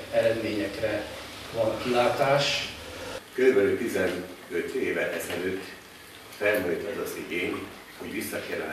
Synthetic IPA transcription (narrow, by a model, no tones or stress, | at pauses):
ɛɾɛd̪meːɲɛkrɛ | vɒŋkilaːt̪aːʃ | kølybɛlylt̪izɛnøt̪eːvɛʔɛzɛløːt̪ː | fɛlmujt̪ɒzɒziɡeːɲ | ho̞ɟʋisːɒkɛlɛ̰